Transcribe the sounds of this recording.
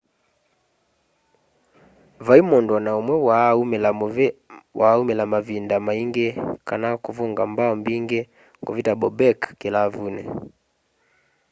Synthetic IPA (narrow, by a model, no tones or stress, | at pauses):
vaimɔndanaumwɛwaɛla | wʔaumɛlamavindamaiŋɡɛkanakuvuŋɡa̰mbaɔmbiŋɡɛ | ŋɡɔvitabɔbɛkkɛlavunɛ̰